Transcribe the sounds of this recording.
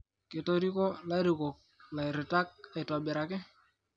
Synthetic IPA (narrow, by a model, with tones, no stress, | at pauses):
kɪ˨to˦ɾi˦kɔ˦la˦ɾi˨ko˨k̚la˨i˨ɾɪ˨ta˦k̚a˨ɪ˨tɔ˨bɛ˨ɾa˨kɪ˦